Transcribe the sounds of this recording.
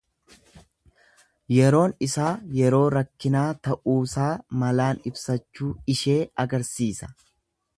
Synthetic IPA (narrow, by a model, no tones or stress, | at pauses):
jɛɾo̞ːnɪsaːjɛɾo̞ːɾɐkːɪnaːt̪ɐʔuːsaːmɐlaːnɪbsɐt͡ʃːuːɪʃe̞ːɐɡɐɾsiːsɐ̥